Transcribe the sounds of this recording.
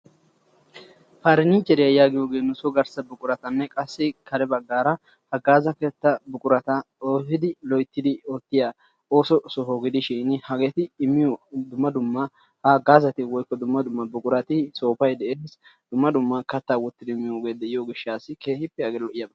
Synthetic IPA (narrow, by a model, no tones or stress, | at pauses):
faɾɪnɪt͡ʃːɛɾɪjɐjaːɡɪjoːɡe̞ːnʊsɔɡɐɾsɐbʊkʼʊɾɐt̪ɐnːɛkʼɐsːɪkʰɐɾɛbɐɡːaːɾɐ | hɐɡaːzɐkɛt̪ːɐbʊkʼʊɾɐt̪ɐ | oːhɪd̪ɪlɔjt̪ːɪd̪ɪɔt̪ːɪja | oːsɔsɔɦoːɡɪd̪ɪʃiːnɪhɐɡɛt̪ɪːmːɪjod̪ʊmːɐd̪ʊmːɐ | hɐɡaːzɐt̪ɪwɔjkːɔd̪ʊmːɐd̪ʊmːɐbʊkʼʊɾɐt̪ɪso̞ːfɐjd̪ɛʔeːsd̪̥ʊmːɐd̪ʊmːɐkɐt̪ːaːwɔt̪ːɪd̪ɪɪmːɪjoːɡe̞ːd̪ɛʔɪjoːɡɪʃːaːsɪkeːhɪpːɛhɐɡelɔʔɪjɐbɐ